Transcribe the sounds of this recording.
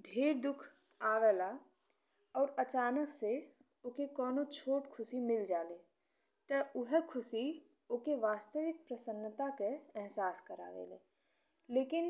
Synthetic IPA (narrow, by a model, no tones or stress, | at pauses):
ɖʱeːɾd̪ʊkʰ | aːʋeːla | ɔːɾɐt͡ʃaːnəkse | ʊkekɔːnot͡ʃʰoːʈkʰʊsimɪld͡ʒaːleː | t̪əʊɦɛkʰʊsi | ʊkeʋaːst̪əʋɪk̚pɾəsənːt̪akeɛɦsaːskəɾa̰ːʋḛːlḛː | leːkɪn